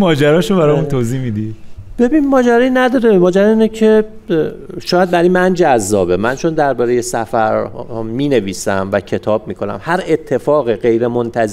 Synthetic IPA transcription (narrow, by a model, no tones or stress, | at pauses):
mɒːd͡ʒæɾɒːʃobæɾɒːjmunt̪ʰozihmid̪id̪̥b̥e̞biːnmɒːd͡ʒæɾɒːjinæd̪ɒːɾemɒːd͡ʒæɾɒːiːnɛcʰe | ʃɒːjæd̪̚bæɾimænd͡ʒæzːɒːbemænt͡ʃʰo̞nd̪æɾbɒːɾejesæfæɾmiːne̞viːsæmvæcʰe̞t̪ʰɒːb̥̚miːkʰo̞næ̰mhæɾe̞t̪ʰːe̞fɒːɣiɢe̞jɾemont̪ʰæz